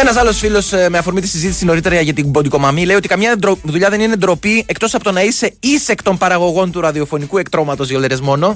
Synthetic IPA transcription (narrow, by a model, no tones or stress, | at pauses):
e̞nɐsɐlo̞sfilo̞sme̞ɐfo̞ɾmit̪i̥sizit̪isino̞ɾit̪e̞ɾɐɐʝɐt̪ibod̪iko̞mɐmile̞io̞t̪ikɐmɲɐd̪ɾoðuʎɐðe̞ninend̪ɾo̞pie̞kt̪o̞sɐpo̞t̪o̞nɐise̞ise̞kt̪o̞mpɐɾɐɣo̞ɣo̞nt̪uɾɐðio̞fo̞nikue̞kt̪ɾo̞mɐt̪o̞zoleɾezmo̞no̞